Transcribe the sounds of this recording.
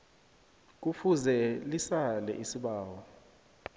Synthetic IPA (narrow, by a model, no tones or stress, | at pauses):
k̬ufuzɛlisalɛ̰ʔisiɓaːwɔ